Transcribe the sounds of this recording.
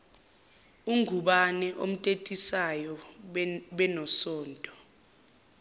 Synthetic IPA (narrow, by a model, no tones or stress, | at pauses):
uŋʱuɓanɛʔom̩tʼetʼisajɔ | ɓɛnɔsɔːntʼɔ